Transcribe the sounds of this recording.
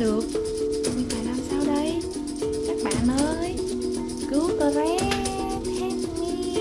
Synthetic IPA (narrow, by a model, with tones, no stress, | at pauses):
ɗɨ˨˩ək̚ | ɲɨ˧maː˧˨laː˧msaː˧wɗə˧j | kaː˦˥k̚ɓa̰ː˧˨nʔəː˨˦j | kɨ˨˧˦wkɔ˨˦zɛ˨˧˥ | t̪ʰe˦˥mmi˧˦